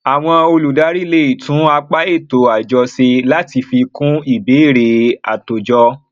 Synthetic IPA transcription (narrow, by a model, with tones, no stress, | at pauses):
a˨w̃ɔ̃˧o˧lu˨da˨˦ɾi˦le˦i˦˨tũ˨˦a˧k͡pa˦e˦˨to˨˦a˨d͡ʒɔ˧se˧la˦ti˧fi˧kũ˦i˦˨be˨˦i˦˨ɾe˨a̰˨to˨d͡ʒɔ˧